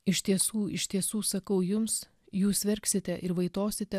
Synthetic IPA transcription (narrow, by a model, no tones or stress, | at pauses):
ɪʃʲt̪ʲiɛsuːɪʃʲt̪ʲiɛsuːsɐkɐʊjʊms | juːsʋʲɛɾʲksʲɪt̪ʲɛʔɪɾʋɐɪt̪oːsʲɪt̪ʲɛ